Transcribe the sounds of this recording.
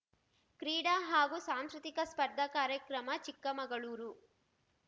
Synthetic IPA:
kɾiːɽaɦaːɡusaːmskɾut̪ikɐspɐɾd̪ʱɐkaːɾjɐkɾɐmɐt͡ʃikːɐmɐɡɐɭuːɾu

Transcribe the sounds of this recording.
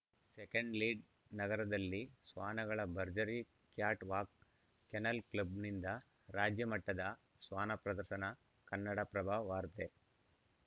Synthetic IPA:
sɛkɐɳɖliːɖ | nɐɡɐɾɐd̪ɐlːisʋaːnɐɡɐɭɐbɐɾd͡ʒɐɾi | kjaːʈʋaːkː | ɛnɐlklɐbnind̪ɐ | ɾaːd͡ʒjɐmɐʈːɐd̪ɐ | sʋaːnɐpɾɐd̪ɐɾʃɐnɐ | kɐnːɐɽɐpɾɐbʱaːʋaːɾt̪e

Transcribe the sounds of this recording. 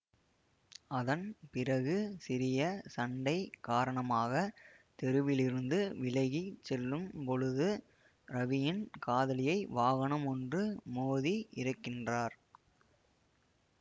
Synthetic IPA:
ɐðɐnpɪrɐɣɯsɪɾɪjɐsɐɳɖɐɪkaːɾɐɳɐmaːɣɐt̪ɛɾɯʋɪlɪɾɯnd̪ɯʋɪlɐɣit͡ʃːɛlːɯmpɔɻɯðɯ | ɾɐʋɪjɪnkaːðɐlɪjɐɪʋaːɣɐɳɐmɔndrɯmoːðiʔɪɾɯkːɪndraːɾ

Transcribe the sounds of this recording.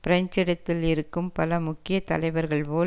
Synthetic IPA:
pɪɾɛɲt͡ʃɪɽɐt̪ːɪlɪɾɯkːɯmpɐlɐmʊkːɪjɐt̪ɐlɐɪʋɐɾɣɐɭpoː

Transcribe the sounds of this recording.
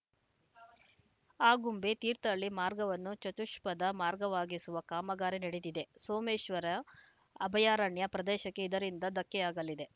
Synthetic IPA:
aːɡumbet̪iːɾt̪ɐɭːimaːɾɡɐʋɐnːut͡ʃɐt̪uʂpɐd̪ɐmaːɾɡɐʋaːɡisuʋɐkaːmɐɡaːɾinɐɽed̪id̪e̞soːmeːʃʋɐɾɐ | ɐbʱɐjaːɾɐɳjɐpɾɐd̪ɛːʃɐkːeid̪ɐɾind̪ɐd̪ɐkːɛaːɡɐlːid̪e̞

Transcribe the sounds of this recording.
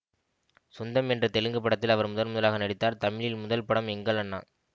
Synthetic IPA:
sʊnd̪ɐmɛndrɐt̪ɛlɯŋɡɯpːɐɽɐt̪ːɪlɐʋɐɾmʊðɐlmʊðɐlaːɣɐnɛɽɪt̪ːaːɾt̪ɐmɪɭɪlmʊðɐlpɐɽɐmɛŋɡɐɭɐnːa̰ː

